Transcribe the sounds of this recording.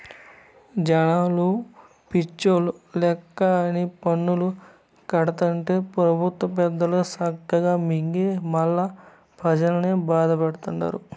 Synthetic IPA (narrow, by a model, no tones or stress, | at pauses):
d͡ʒɐnaːlu | pit͡ʃːolulɛkːɐnipɐɳːulu | kɐɽɐt̪ɐɳʈe̞ːpɾɐbʱut̪ʋɐp̬ɛd̪ːɐlusɐɡɐɡaːmiŋɡemɐlːɐ | pʰɐd͡ʒɐlɐneːbaːd̪ɐpɐɽut̪uɳɖa̰ːɾu